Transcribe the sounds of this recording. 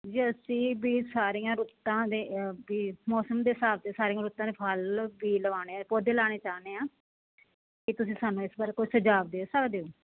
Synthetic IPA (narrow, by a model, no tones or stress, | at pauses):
d͡ʒiːəsĩːbiːsaːɾiːãːɾʊt̪ːãːd̪eːbiːmɔːsəmd̪eːsaːbt̪eːsaːɾiːãːɾʊt̪ːãːd̪eːpʰalbiːləʋaːneːpoːd̪eːlaːɽeːt͡ʃaːneːãː | kɪt̪ʊsĩːsaːnːũːɪsbaːɾekoːisəd͡ʒaːbd̪eːoːsəkd̪eːoː